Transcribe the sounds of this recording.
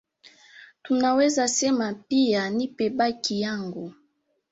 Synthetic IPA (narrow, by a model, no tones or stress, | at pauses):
tunawezasɛmapijanipebakijaŋɡo